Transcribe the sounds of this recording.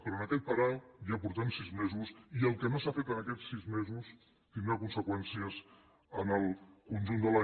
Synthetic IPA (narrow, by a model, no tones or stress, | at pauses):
pɾɔənəkɛt̪̚pəɾajapuɾt̪amsizmezusiəlˠkənosafet̪ənəkɛt͡sːizmezus | t̪ind̪ɾakunsəkwɛnsiəz | ənəlˠkunʒund̪əla